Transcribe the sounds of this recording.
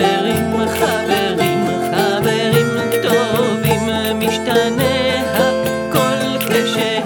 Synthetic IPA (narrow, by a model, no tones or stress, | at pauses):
eʁimmeχaveʁim | a | veʁim | kt̪ovim | miʃt̪ane | ha | kol | keʃe